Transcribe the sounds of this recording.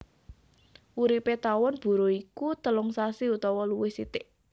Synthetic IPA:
uɾipet̪awɔnb̥ṳɾoikut̪əlʊŋsasiut̪ɔwɔluwɪhsit̪ɪʔ

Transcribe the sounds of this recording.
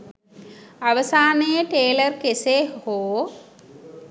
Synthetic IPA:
ɐʋɐsaːnɐjeʈeːlɐrkeseːhoː

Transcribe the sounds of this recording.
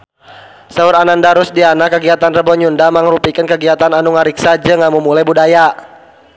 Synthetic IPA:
sauɾanandaɾʊsdianakəɡiat̪anrəbɔɲundamaŋɾupikənkəɡiat̪ananuŋaɾiksad͡ʒəŋamumulajbudaja

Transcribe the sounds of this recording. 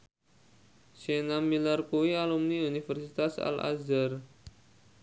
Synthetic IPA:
senamilarkuialumniunifɛrsit̪asa̰la̰zar

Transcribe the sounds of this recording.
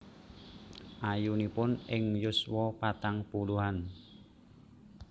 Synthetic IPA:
ʔajunipʊnɪŋjʊswɔpat̪aŋpuluɦan

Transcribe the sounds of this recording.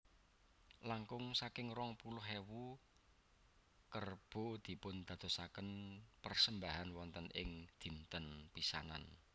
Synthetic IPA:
laŋkʊŋsakɪŋrɔŋpulʊɦewu | kərb̥o̤d̪̥i̤pʊnd̪̥ä̤d̪̥o̤sakənpərsəmbaɦanwɔnt̪ənʔɪ̰ŋd̪̥i̤nt̪ənpisa̰na̰n

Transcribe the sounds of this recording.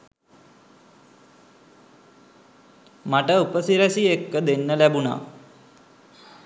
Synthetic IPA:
maʈəupəsiɾasiekːəd̪enːəlæbuna̰

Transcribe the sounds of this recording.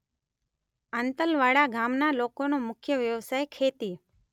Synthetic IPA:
ənt̪əlʋaːɽaɡaːmnalokonomʊkʰjəʋjəʋsaːjkʰeːt̪i

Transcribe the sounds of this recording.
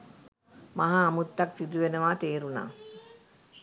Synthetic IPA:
maɦaːmut̪ːɐksid̪uʋenəʋaːt̪eːɾuna̰ː

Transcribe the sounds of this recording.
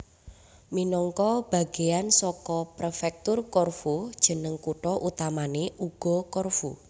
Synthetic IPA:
minɔŋkɔb̥a̤ɡ̥ejansɔkɔpɾefɛk̚t̪ʊrkɔrfud̥ʒ̥ə̤nəŋkuʈɔʔut̪amaneʔuɡ̥ɔ̤kɔrfu

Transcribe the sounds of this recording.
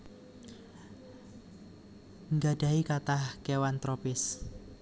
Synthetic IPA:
ŋɡaɖ̥a̤ikat̪ahkewant̪ɾopɪs

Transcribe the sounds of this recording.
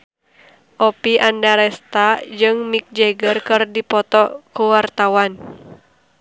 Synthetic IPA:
ʔɔpiʔandaɾɛst̪ad͡ʒɨŋmik̚d͡ʒeɡərkɨrdipɔt̪ɔkuwart̪awan

